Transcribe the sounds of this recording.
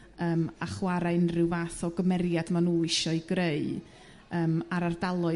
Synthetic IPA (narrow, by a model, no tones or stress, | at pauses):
əːmaχwaɾaɨnrɪwaθɔɡəmɛɾjadmanuːɪʃɔiɡreɨ | əːmaɾardalˠʊ